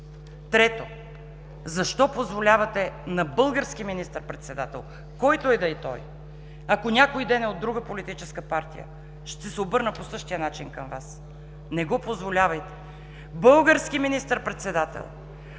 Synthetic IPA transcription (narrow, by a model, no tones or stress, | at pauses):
t̪ɾɛt̪o | zɐʃt̪ɔpozvolʲavɐt̪ɛnɐbɤlˠɡəɾsk̟iminist̪əɾpɾɛt̪sɛd̪at̪ɛ̰lˠ | kɔjt̪oɛd̪ɐɛt̪ɔ̰j | ɐkonʲakoid̪ɛnɛod̪ːɾuɡəpolit̪it͡ʃɛskəpaɾt̪ḭjə̰ | ʃt̪ɛsɛobɤɾnəposɤʃt̪ijənat͡ʃinkəmvas | nɛɡɔpozvolʲavɐjt̪ɛ̥ | bɤlˠɡəɾskiminist̪əɾpɾɛt̪sɛd̪at̪ɛ̰lˠ